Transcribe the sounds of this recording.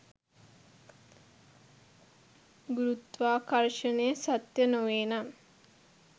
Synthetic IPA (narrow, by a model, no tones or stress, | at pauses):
ɡuɾut̪ʋaːkɐɾʃənejəsat̪jənoʋeːnam